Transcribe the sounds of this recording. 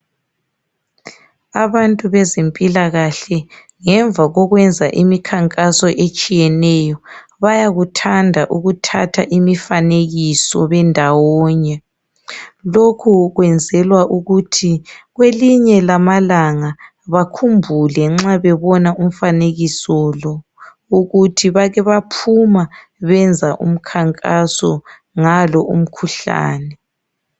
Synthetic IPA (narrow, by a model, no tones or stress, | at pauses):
aβantʼuβɛzempʼilaɣaɬɛ | ŋɛɱb̪vʱaɣɔɣwɛnd͡zʱaʔimikʰaŋkʼasɔʔet͡ʃʼijɛnɛjɔ | βajaɣutʰandʱaʔuɣutʰatʰa̰ʔimifaneɣisɔβɛndʱawɔːɲɛ | lokʰuɣwɛnd͡zʱɛlwaʔuɣutʰiɣweliɲɛlamalaŋa | βakʰumbʱulɛŋ͡ǁaβɛβɔnaum̩faneɣisɔlɔ | uɣutʰiβaɣɛβapʰuma | βɛnd͡zʱaʔṵm̩kʰaŋkʼasɔ̰ | ŋalɔʔum̩kʰuɬa̰ːnɛ